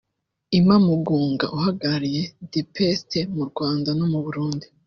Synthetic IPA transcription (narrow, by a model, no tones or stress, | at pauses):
imamuɡuːŋɡa̰ʔuhaɡaaɾije̞dipestʰemuɾɡwaːndano̞muβuɾuːndi